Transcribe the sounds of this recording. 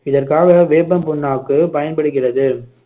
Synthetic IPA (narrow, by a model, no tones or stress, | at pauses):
ɪðɐrkaːɣɐʋeːpːɐmpʊnːaːkːɯpɐjɐnpɐɽɯɣɪrɐðɯ